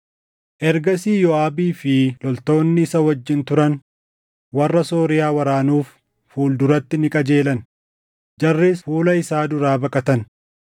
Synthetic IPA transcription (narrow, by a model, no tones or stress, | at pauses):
ʔɛɾɡɐsiːjɔaːbiːfɪlɔlt̪o̞ːnːɪːsɐwɐd͡ʒːɪnt̪ʊɾɐn | wɐrːɐso̞ːɾɪjaːwɐɾaːnuːfː | uːld̪ʊɾɐt̪ːɪnɪkʼɐd͡ʒe̞ːlɐn | d͡ʒɐrːeːsfuːlɐɪsaːd̪ʊɾaːbɐkʼɐt̪ɐn